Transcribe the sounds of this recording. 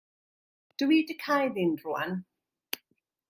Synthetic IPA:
d̥əwidəkʰajðɪndrʊa̰n

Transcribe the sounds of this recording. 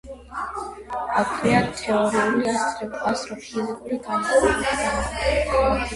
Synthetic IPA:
akʰvɛat̪ʰɛɔɾiuliasɾɛbasʼɾɔpʰizikʼuɾiɡʰanχɔɔlia

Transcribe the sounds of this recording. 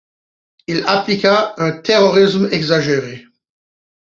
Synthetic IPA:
ilaplikaɛ̃t̪eʁɔʁis̬mɛɡzaʒeʁe

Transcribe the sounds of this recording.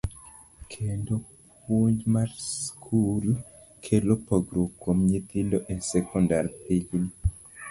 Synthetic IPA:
kʰendo | pwoɲd͡ʒmaɾskʰul | kʰelopoɡɾokːomɲit̪ildoʔesɛkɔndaɾpiɡn

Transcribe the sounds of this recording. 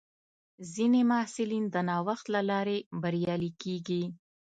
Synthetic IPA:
zinemasɪlind̪ənɑwaxt̪lalɑɾebaɾjɑlikeɡi

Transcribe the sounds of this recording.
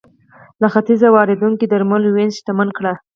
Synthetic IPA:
laxat̪izawɑɾɪd̪uŋkid̪aɾməlwenst̪amankɽa

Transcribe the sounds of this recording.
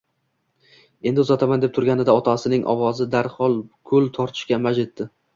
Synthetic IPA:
e̞nd̪ɪʊzɒt̪ʰamand̪ep̚t̪ʰʊɾɡʲanɪd̪aɒt̪ʰasɪnɪŋʔɒ̰wɒzɪd̪aɾχɒlˠkʰɵlˠt̪ʰɒɾt̪ʰɪ̥ʃkʲamad͡ʒet̪ːɪ

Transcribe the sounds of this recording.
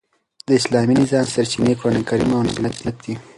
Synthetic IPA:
d̪əɪslɑminɪzɑmsaɾt͡ʃinekɾanekaɾimawnɡilat̪nat̪̚d̪i

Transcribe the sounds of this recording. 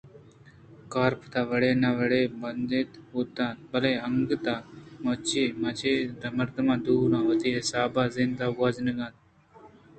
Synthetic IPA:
kaːɾpʰt̪aːʋəɽeːnaʋəɽeːbɐnd̪eːt̪uːt̪ãːnbɐleːəŋɡt̪aːmɐt͡ʃimɐt͡ʃʰeːd̪ɐməɾd̪mãːd̪uːnãːʋɐt̪iːɦɪsaːbaːzɪnd̪aːɡaːznəɡãːt̪

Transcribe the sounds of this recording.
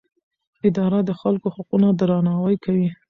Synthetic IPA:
ɪd̪ɑɾad̪əxalkohaqunad̪ɾɑnɑwajkawi

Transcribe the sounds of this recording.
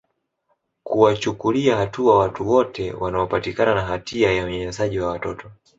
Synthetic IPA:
kuwat͡ʃukuliahatuawatuwɔtʰɛwanaɔpatikananaɦatʰiajaɔɲɛɲɛzaʄiwawatɔtɔ

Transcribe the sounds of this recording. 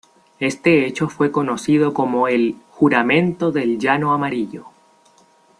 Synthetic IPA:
e̞st̪e̞et͡ʃo̞fwe̞ko̞no̞sið̞oko̞mo̞e̞lxuɾamẽ̞nt̪o̞ðe̞lʝano̞amaɾiʎo̞

